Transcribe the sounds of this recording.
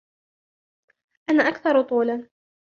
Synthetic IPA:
ʔanaːʔakθɑɾˤt̪ˤuːla

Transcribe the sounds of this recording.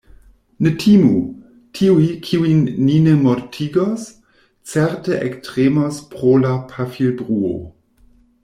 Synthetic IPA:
netʰimu | tʰiujkʰiuinːinemoɾtʰiɡos | t͡seɾteʔektɾemospɾolapʰafilbɾuo̰

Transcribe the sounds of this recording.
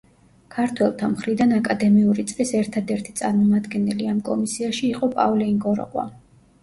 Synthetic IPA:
kʰaɾt̪ʰwɛlˠt̪ʰamχɾid̪anakʼad̪ɛmiuɾit̪sʼlisɛɾt̪ʰad̪ɛɾt̪ʰi̥t̪sʼaɾmɔmad̪ɡɛnɛliamkʼɔ̰misiaʃiːqʼɔpʼa̰vlɛiŋɡɔɾɔ̰qʼwa̰

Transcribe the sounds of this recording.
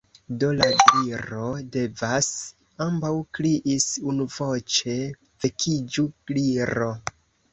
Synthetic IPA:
do̞ladiɾo̞de̞vas | ambawkɾiʔisunuvo̞t͡ʃe̞ | v̥e̞kʰid͡ʒuɡ̥liɾo̞

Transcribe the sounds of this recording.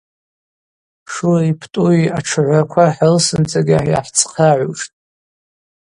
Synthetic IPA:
ʂuripʰtʼuiaʈ͡ʂʰɨʕʷakʷʰaħalsɨnt͡sʰʼaɡʲaħja̰ħt͡sʰqʰaʕʷuʂtʼ

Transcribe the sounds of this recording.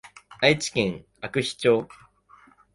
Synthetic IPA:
ait͡ɕi̥kẽŋ | akɯ̟ɕi̥t͡ɕoː

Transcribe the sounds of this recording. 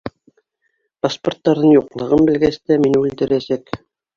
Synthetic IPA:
pasport̪ːɑɾðɤɴjuqlˠɤ̆ʁɤmbɘ̆lɡæst̪æminʉld̪ɘ̆ɾæsæk

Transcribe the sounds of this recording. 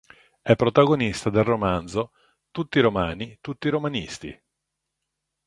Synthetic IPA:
ɛpːɾot̪aɡonist̪ad̪elromand̪zo | t̪ut̪ːiɾomaːnit̪ut̪ːiɾomanist̪ḭ

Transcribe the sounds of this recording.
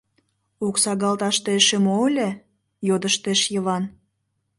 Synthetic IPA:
uksɑɣɑlt̪ɑʃt̪eʃemoəlʲe | jod̪əʃt̪eʃjəβɑn

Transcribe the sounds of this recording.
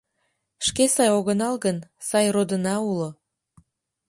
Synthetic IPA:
ʃkesɑjoɣənɑlɣənsɑjrod̪ənɑulo

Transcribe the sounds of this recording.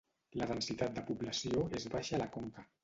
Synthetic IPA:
ləðənsit̪at̪̚d̪əpuβləsioezβaʃalakoŋkə

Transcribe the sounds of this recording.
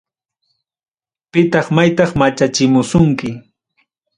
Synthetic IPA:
pɪt̪ɑχmajt̪ɑχmat͡ʃat͡ʃɪmʊsʊŋkɪ

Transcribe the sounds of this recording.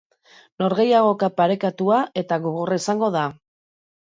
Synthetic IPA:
no̞ɾɣe̞jaɣ̞o̞kapaɾe̞kat̪uaʔe̞t̪aɣoɣoraisaŋɡo̞ða

